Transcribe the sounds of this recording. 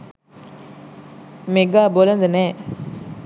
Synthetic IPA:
meɡaːbolɐnd̪ənɛː

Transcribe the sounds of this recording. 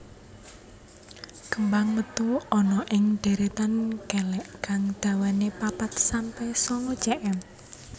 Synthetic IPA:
kəmbaŋmət̪uɔnɔʔɪŋɖ̥e̤ɾet̪ankɛlɛʔkaŋd̪̥a̤wanepapat̪̚sampɛsɔŋod̥ʒ̥ɛʔɛm

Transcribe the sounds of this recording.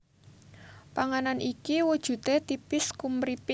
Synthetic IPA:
paŋananʔikiwud̥ʒ̥ṳt̪et̪ipɪskumɾip

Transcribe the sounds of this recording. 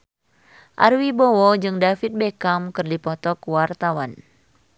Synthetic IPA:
ʔa̰rwibɔwɔd͡ʒɨŋdafit̪̚bekamkɨrdipɔt̪ɔkwart̪awan

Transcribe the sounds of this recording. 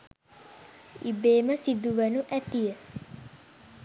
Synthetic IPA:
ibeːməsid̪uʋənuʔæt̪ijə

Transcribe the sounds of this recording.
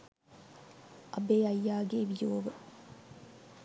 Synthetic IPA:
ʔɐbeːɐjːaːɡeʋijoːʋə

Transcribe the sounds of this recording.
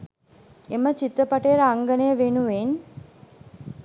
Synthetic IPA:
emət͡ʃit̪ɾəpaʈejəɾaŋɡənəjəʋenuʋen

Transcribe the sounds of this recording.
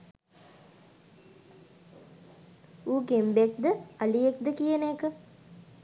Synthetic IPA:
uːkembek̚d̪əaliek̚d̪əkijənekə

